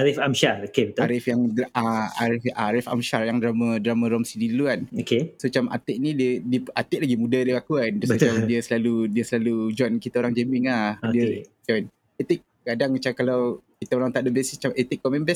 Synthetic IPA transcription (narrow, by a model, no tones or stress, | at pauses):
aɾifamʃaɾokebət̪aɾɪfjaŋdaʔaa̰ɾɪfaaɾɪfa̰mʃaɾjaŋdɾamadɾamãɾɔmsidiluanokesət͡ʃamʔa̰t̪ɪʔnidiədiəat̪ɪʔ̚laɡimudadiəakuansbət̪t͡ʃamdiəsəlaludiəsəlalud͡ʒɔankit̪aoɾaŋd͡ʒemɪŋlahodiəd͡ʒɔn | et̪ɪk̚kadaŋmat͡ʃakalawkit̪aoɾaŋt̪aʔdəbesist͡ʃamet̪ɪk̚ːɔmɛmbɛs